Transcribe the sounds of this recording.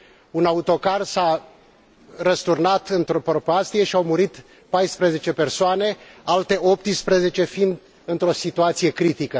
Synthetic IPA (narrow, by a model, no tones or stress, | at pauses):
unaut̪o̞karsa | rəst̪urnat̪ɨnt̪ɾo̞pɾo̞past̪ije̞ʃiawmuɾit̪ | pajspɾeze̞t͡ʃe̞pe̞rsoane̞alt̪e̞ʔo̞p̚t̪ispɾeze̞t͡ʃe̞find̪ | ɨnt̪ɾo̞sit̪uat̪sije̞kɾit̪ikə